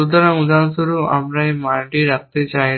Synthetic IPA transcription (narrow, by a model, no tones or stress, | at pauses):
ud̪ɐɾɐmud̪aːnsuɾuɐ̰mɾɐjmaːɾɖiɾɐk̚t̪it͡ʃaːj